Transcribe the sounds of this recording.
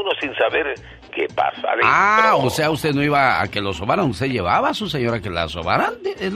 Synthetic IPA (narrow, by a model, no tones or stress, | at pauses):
nosinsaβeɾ | kḛpa̰sa̰laose̞aust̪e̞ðnoiβaa̰ke̞lo̞soβaɾaŋust̪eðʝe̞βa̰βasus̬eɲo̞ɾakela̰soβaɾand̪ee